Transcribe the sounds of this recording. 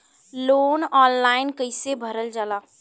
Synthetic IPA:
lonɔːnlaɪnkəɪsebʱəɾəld͡ʒaːla

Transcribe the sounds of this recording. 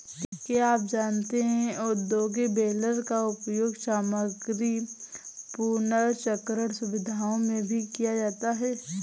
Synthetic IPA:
keaːp̚d͡ʒaːnt̪eɦɛ̃ʊd̪oːɡibeːləɾkaʊpjoːɡsaːməɡɾi | punəɾt͡ʃəkɾəɾsʊʋɪd̪ʱaːõmẽbʱikijad͡ʒaːt̪aɦɛː

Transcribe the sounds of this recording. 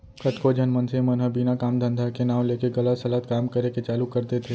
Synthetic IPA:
kət̪kod͡ʒənmənsemɐnɦəbiːnakaːmd̪ʱə̃nd̪ʱakenaːwleːkeɡɐlət̪sɐlət̪kaːmkəɾeket͡ʃaːlukɐɾt̪et̪ʰe

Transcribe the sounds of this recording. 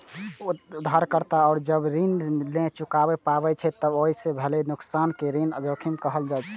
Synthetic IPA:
d̪ʱːaɾkəɾt̪aɔːɾd͡ʒəbɾinlẽt͡ʃukabepabɛt͡ʃʰɛt̪ːəboɦisebʱelenuksankeɾinəd͡ʒokʰimkəɦəld͡ʒajt͡ʃʰɛ̥

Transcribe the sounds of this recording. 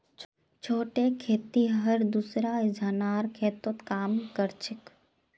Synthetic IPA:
t͡ʃʰoːʈekʰeːt̪iɦɐɾd̪usɾaɪd͡ʒʱaːnaːɾkʰeːt̪ət̪kaːmkəɾt͡ʃɪk

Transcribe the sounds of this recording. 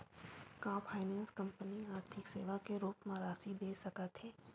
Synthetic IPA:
kãːpʰaːɪnɛ̃ːnskɐ̃mpəniaːɾt̪ʰɪkseːʋakeɾuːpmãɾaːsid̪eːsɐkat̪ʰeː

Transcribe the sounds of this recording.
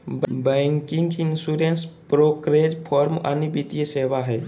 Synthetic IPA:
bbɛ̃ŋkĩŋɡinsuɾenspɾokɾed͡ʒpʰɔɾmə̰nibit̪ijəseːʋaɦɛː

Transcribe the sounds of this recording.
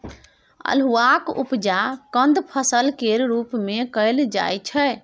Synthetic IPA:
ə̰lɦuakṵpd͡ʒakə̃nd̪pʰəsəlkeɾɾupmekəjld͡ʒa̰jt͡ʃʰɛ

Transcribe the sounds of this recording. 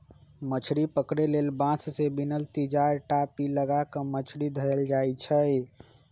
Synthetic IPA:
mət͡ʃʰɾipəkɾelelbãsʰsebinəlt̪id͡ʒaɾʈapiləɡakə̃mət͡ʃʰɾid̪ʱəɾəld͡ʒajt͡ʃʰəj

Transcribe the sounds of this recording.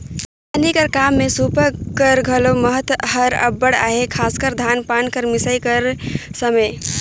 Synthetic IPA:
ənikəɾkamːesupəkəɾɡʱəloməɦət̪ɦəɾə̰bːəɽa̰ɦekʰaskəɾd̪ʱanpankəɾmisəjkəɾsəməj

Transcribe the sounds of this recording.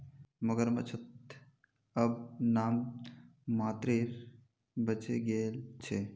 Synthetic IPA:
məɡəɾmɐ̰t͡ʃʰət̪ | əbnaːmː | aːt̪ɾiːɾ | bət͡ʃeɡeːlt͡ʃʰe

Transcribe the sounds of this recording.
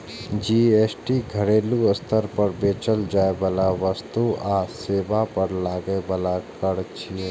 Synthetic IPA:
d͡ʒiːeːsʈiɡʱɐɽeːluɐst̪ʰəɾpɐɾbeːt͡ʃəld͡ʒaːebaːlaʋəst̪uaːseːʋapɐɾlaːɡəebaːlakɐɽt͡ʃʰie

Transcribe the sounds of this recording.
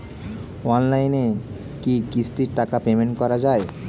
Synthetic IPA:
ɔnlajne | kikisʈ̪iɾʈakapemeɳʈkɔɾad͡ʑae

